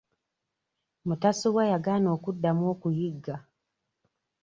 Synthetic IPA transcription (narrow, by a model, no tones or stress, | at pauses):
mutasuwajaɡaːnoːkudːamwoːkujiɡːa